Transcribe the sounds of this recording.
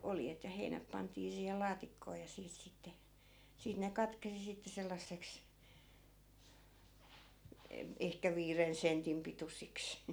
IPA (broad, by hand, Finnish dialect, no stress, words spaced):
oljet jɑ heinæp pɑntˑiː siːhel lɑːtikːoː jɑ siːt sitːe siːt ne kɑtkesi sitːe selːɑsːeks e ehkæ ʋiːren sentim pitusiks